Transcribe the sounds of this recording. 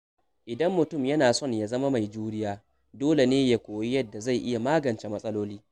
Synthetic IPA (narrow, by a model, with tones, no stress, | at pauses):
ʔɪ˨dɐ˦mːʊ˨tʊ˦˨mjɐ˦naː˨sɔ˦˨ɲja˨zɐ˦ma˦ma˨jd͡ʒuː˦ɽɪ˦jaː˦ | doː˦le˨neː˦ja˦kʷoː˨ji˦jɐ˦dːa˨za˦˨jʔɪ˦ja˨maː˦ɡɐ˨nt͡ʃe˦mɐ˦sʼɐ˦loː˦liː˦